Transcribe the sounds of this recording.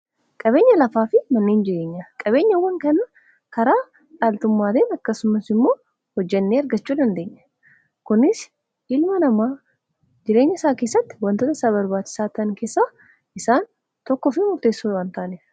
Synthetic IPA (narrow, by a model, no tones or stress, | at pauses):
kʼɐbe̞ːɲːɐlɐfaːfɪmɐnːeːnd͡ʒɪɾe̞ːɲːakʼɐbe̞ːɲːɐwːɐŋkɐnɐ | kɐɾaː | ᶑaːlt̪ʊmːaːd̪eːnɐkːɐsʊmɐsɪmːo̞ː | hɔd͡ʒːɛnːeːɐɾɡɐt͡ʃːuːd̪ɐnd̪e̞ːɲːɐ̥ | kʊnɪs | ɪlmɐnɐmaː | d͡ʒɪɾe̞ːɲːɐɪsaːke̞ːsːɐt̪ːɪ̥wɐnt̪oːt̪ɐɪsaːβɐɾbaːt͡ʃːɪ̥saːt̪ɐŋke̞ːsːaː | ʔɪsaːn | t̪ɔkːɔfɪmʊɾt̪e̞ːsːuːwaːnt̪aːnɪ